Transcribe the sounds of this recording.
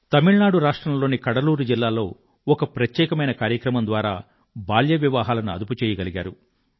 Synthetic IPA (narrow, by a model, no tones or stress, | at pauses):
t̪ɐmiɭnaːɽuɾaːʂʈɾɐmlo̞ːnikɐɽɐluːɾud͡ʒilːaːlo̞ː | ɔkɐpɾɐt̪jɛːkɐmɐjnɐkaːɾjɐkɾɐmɐnd̪ʋaːɾaː | baːljɐʋjɐʋaːɦaːlɐnuɐ̰d̪uput͡ʃɛːjɐɡɐliɡaːɾu